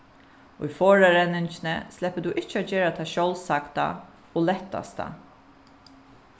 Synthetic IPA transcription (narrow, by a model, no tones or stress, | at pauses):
ʊ̰jfoːɹaɾɛnːɪnt͡ʃɪnə̰slɛpəd̪uːʔɪht͡ʃːad͡ʒeːɾat̪ʰaːʃɔwlsakt̪a̰ | oːlɛht̪ːa̰st̪a̰